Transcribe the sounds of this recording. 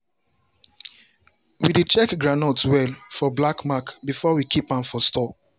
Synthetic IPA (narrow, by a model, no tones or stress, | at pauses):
widet͡ʃɛkɡɹanotwɛlfɔblakmakbifɔwikʰipãmfɔstɔ